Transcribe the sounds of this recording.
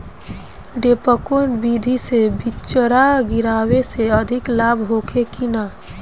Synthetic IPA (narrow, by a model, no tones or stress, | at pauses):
ɖepəkoɳbid̪ʱisebit͡ʃəɾaɡiɾaweseəd̪ʱiklabʱɦokʰekina